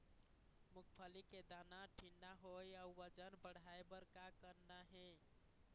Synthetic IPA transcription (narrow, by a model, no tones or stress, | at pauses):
mukʰpʰəliked̪anaʈʰinɖaɦojauʋəd͡ʒənbəɽ̤ʱaebəɾkakəɾnaɦe